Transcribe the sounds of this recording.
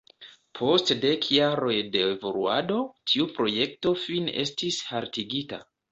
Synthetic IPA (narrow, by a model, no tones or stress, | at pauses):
pʰo̞stde̞kʰjaɾo̞jde̞evo̞luado̞tʰiupɾo̞je̞k̚to̞fine̞stishaɾtiɡita̰